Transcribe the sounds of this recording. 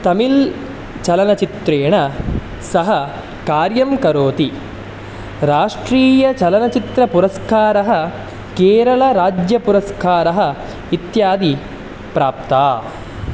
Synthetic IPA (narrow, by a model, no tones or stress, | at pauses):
t̪ɐmil | t͡ʃɐlɐnɐt͡ʃit̪ɾeːɳɐ | sɐɦɐ | kaːɾjɐmkɐɾoːt̪i | ɾaːʂʈɾiːjɐt͡ʃɐlɐnɐt͡ʃit̪ɾɐpuɾɐskaːɾɐɦɐ̆ | keːɾɐɭɐɾaːd͡ʒjɐpuɾɐskaːɾɐɦɐ̆ | it̪jaːd̪i | pɾaːp̚t̪aː